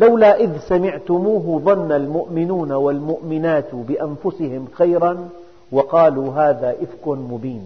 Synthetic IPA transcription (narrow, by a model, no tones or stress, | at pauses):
lawlaʔɪðsamɪʕt̪ʊmuːɦʊðˤɑnːalmʊʔmɪnuːnawalmʊʔmɪnaːt̪bɪʔanfʊsɪhɪmxajɾɑn | wɑqɑːluːɦaːðaːʔɪfkʊnmʊbiːn